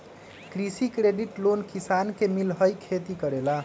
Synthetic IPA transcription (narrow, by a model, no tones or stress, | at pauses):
kɾisikɾeɖiʈlonkisankemilɦəjkʰet̪ikəɾela